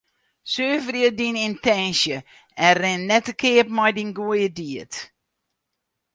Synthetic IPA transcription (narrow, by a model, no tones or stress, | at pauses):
søːvrjədinintɛnsjə | ɛnrɪnːɛtəkʰɪəpmɔjdinɡuəjədiət